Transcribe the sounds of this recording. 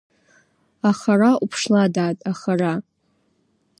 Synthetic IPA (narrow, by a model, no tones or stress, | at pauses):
aχaɾaʔupʰʂladaːtʼaχara